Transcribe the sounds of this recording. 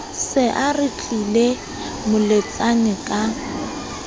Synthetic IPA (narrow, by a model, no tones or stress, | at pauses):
sɪʔarɪt͡ɬʼile | mʊlet͡sʼanɪkʼa